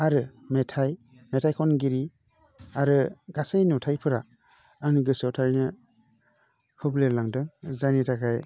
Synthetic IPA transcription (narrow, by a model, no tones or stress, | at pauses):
aɾɯmetʰaj | metʰajkʰɔnɡiɾi | aɾɯɡasajnutʰajpʰɯɾa | anɯɡɯsawtʰaɾinɯ | hʰɯbleɾlaŋdɯŋzanitʰakʰaj